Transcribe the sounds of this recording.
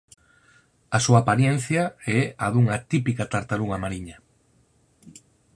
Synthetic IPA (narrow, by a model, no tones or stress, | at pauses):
asuaːpaɾjɛn̟θjɐɛaðuŋat̪ipikat̪aɾt̪aluŋamaɾiɲɐ